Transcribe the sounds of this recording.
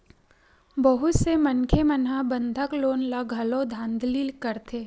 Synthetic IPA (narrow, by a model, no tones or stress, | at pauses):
bəɦʊt̪semənkʰemənɦabə̃nd̪ʱəkloːnlaɡʱɐlõd̪ʱãːnd̪ʱlilkɐɾt̪ʰeː